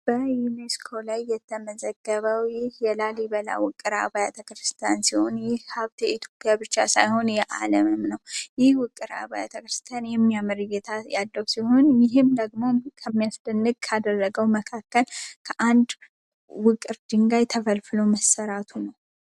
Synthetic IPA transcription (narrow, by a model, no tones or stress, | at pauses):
b̥əjuneskʰo̞lajːɛt̪ʰːəməzəɡːəβəwjɪhjɛlalibəla̰wʊkʼːɨɾa̰bajat̪ʰəkɾɨst̪ʰjansiho̞njɪhhaβt̪ɛit̪ʰjo̞pʼjabɨt͡ʃːasajho̞njɛʔa̰ləmɨmnəwjɪhwʊkʼːɨɾa̰βaja̰t̪ʰəkɾɨst̪ʰjanjɛmːijamɨɾɨjet̪ʰajad̪ːəwsiho̞njɪɦɨmd̪əɡmo̞kʰəmːijasd̪ɨnːɨɡ̚kʰad̪ərːəɡəwməkʰakːəlkʰəʔand̪ | wʊkʼɨɾd̪ɨŋɡajt̪ʰəfəlfɨloməsːəɾat̪ʰunəw